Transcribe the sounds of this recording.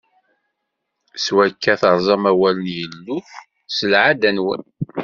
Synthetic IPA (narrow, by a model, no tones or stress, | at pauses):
swækːæθəɾˤzˤɑmæwælənjəlːʊç | səlʕad̪ænwə̰n